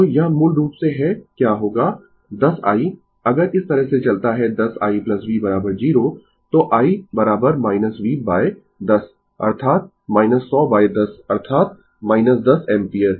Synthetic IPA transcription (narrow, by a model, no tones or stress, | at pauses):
t̪ojaːmʊlɾuːpseɦɛkjaːɦoːɡaː | d̪ɐsa̰ːi | ɐɡəɾɪst̪ɐɾəɦset͡ʃɐlt̪aɦɛd̪ɐsa̰ːiplɐsʋibɐɾaːbəɾd͡ʒiːɾo | t̪oʔaːibɐɾaːbəɾmaːɪnəsʋiːbaːe | d̪ɐs | ɐ̰ɾt̪ʰaːt̪̚ | maːɪnəsːɔːbaːed̪ɐsɐɾt̪ʰaːt̪̚ | maːɪnəsd̪ɐsɛ̃ːmpiəɾ